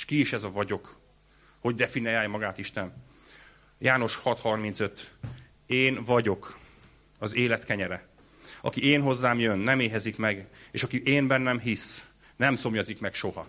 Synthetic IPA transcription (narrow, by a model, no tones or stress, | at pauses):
ʃkiiʃɛzɒvɒɟo̞k | ho̞ɟd̪ɛfinijaːjɒmɒɡaːt̪iʃt̪ɛn | jaːno̞ʃhɒt̪hɒrmint̪sø̞t̪ | eːnvɒɟo̞k | ɒzeːlɛt̪kɛɲɛɾɛ | ɒ̰kieːnɦo̞zːaːmjønːɛmeːɦɛzikmɛɡeːʃɒkiʔeːnbɛnːɛmɦis | nɛmso̞mjɒzikmɛkʃo̞hɒ